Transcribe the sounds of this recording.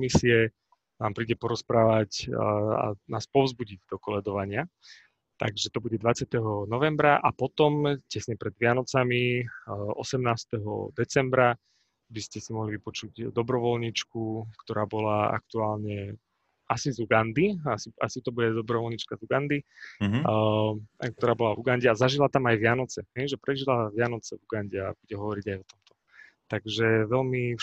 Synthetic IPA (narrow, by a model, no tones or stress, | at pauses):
misiɛ | naːmpɾiːɟɛpɔɾɔspɾaːʋaca̰naːspɔʊzbuɟiɟd̪ɔkɔlɛd̪ɔʋaɲɪa | t̪a̰ɡʒɛt̪ɔbuɟɛd̪ʋat͡sɪat̪ɛɦɔnɔʋɛmbɾaʔapɔt̪ɔmcɛsɲɛpɾɛd̪ʋɪanɔt͡sami | ɔsɛmnaːst̪ɛɦɔ̰d̪ɛt͡sɛmbɾa | biscɛsimɔɦliʋipɔt͡ʃuɟd̪ɔbɾɔʋɔlɲit͡ʃkukt̪ɔɾaːbɔlaa̰kt̪uaːlɲɛ | asizuɡand̪iasia̰sit̪ɔbuɟɛd̪ɔbɾɔʋɔlɲit͡ʃkazuɡand̪i | k̚t̪ɔɾaːbɔlavuɡanɟɛazaʒilat̪amajʋɪanɔt͡sɛɦɛjʒɛpɾɛʒilaʋɪanɔt͡sɛvuɡanɟɛabuɟɛɦɔʋɔɾiɟajɔt̪ɔmt̪ɔ̥ | t̪aɡʒɛʋɛlmi